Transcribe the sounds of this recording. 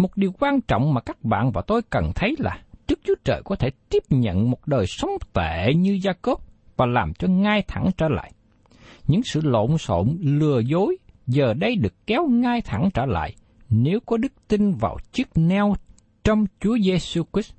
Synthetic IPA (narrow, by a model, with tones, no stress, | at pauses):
mo˨˩t̚ɗi˨˩əwkwaː˧nt͡ɕɔ̰˧˨wŋ͡mmaː˨˩kaː˦˥k̚ɓa̰ː˧˨nvaː˨˩t̪o˧jkə˨˩nt̪ʰə˨˦jla̰ː˨˩ɗɨ˦˥k̚t͡ɕu˨˦ət͡ɕəː˨˩jkɔ˨˦t̪ʰe˧˩t̪i˦˥əp̚ɲə̰˧˨nmo˨˩t̚ɗəː˨˩jsə˨˦wŋ͡mt̪e˧˩˨ɲɨ˧zaː˧ko˦˥p̚vaː˨˩laː˨˩mt͡ɕɔ˧ŋaː˧jt̪ʰa˧˩ŋt͡ɕə̰ː˧˩la̰ː˧˨j | ɲɨ̰˧˥ŋsɨ̰˧˨lo̰˧˨nso̰˧˨nlɨ˨˩əzo˨˦jzəː˨˩ɗə˧jɗɨ˨˩əkːɛ˨˦wŋaː˧jt̪ʰa˧˩ŋt͡ɕəː˧˩la̰ː˧˨jʔ | ne˨˦wkɔ˨˦ɗɨ˦˥k̚t̪i˧nva̰ː˨˩wt͡ɕi˦˥ək̚nɛ˧w | t͡ɕɔ˧wŋ͡mt͡ɕu˨˦əze˧su˧ki˦˥t